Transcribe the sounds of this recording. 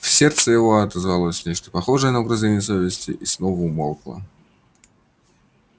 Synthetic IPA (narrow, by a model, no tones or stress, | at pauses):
fsʲe̞rt̪səjɪvo̞ɐt̪əzvɐlˠosʲnʲet͡ɕt̪ə̥pɐxo̞ʐəjənəɐbɾɐzʲenʲɪjəsovʲɪsʲtʲɪ̰ʔisnovʊmolˠklˠə̰